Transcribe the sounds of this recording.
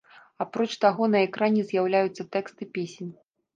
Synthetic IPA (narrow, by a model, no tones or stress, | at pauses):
apɾɔt͡ʂt̪aɣɔnɐɛkɾanʲɛzʲjawlʲajut̪sːɐt̪ɛkst̪ɨpʲesʲnʲ